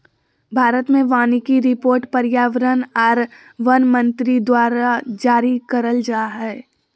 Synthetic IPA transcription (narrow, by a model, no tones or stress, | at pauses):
bʱaːɾət̪mẽʋaːnikiɾɪpoːɾʈpɐɾjaːʋəɾənaːɾ | ʋɐnmɐ̃nt̪ɾid̪waːɾad͡ʒaːɾikɐɾəld͡ʒaːɦɛː